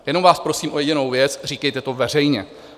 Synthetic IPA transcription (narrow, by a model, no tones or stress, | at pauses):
jɛno̞mvaːspɾo̞siːmʔojɛɟɪno̞wvjɛt͡sr̝iːkɛjt̪ɛt̪o̞vɛr̝ɛjɲɛ